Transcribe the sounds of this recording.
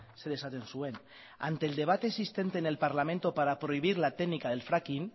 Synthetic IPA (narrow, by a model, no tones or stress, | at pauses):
seðesat̪ensuen | a̰nt̪eːld̪e̞β̞at̪eːsist̪ent̪eːnelpaɾlamẽnt̪opaɾapɾoiβ̞iɾlat̪enikaðe̞lfɾakin